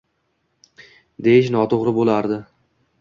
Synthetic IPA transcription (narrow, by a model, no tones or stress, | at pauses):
d̪ejɪʃnɒt̪ʰoʁɾɪbolˠaɾd̪ɪ